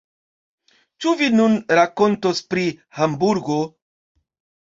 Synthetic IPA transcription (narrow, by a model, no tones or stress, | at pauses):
t͡ʃuvinunɾako̞ntospɾihambuɾɡo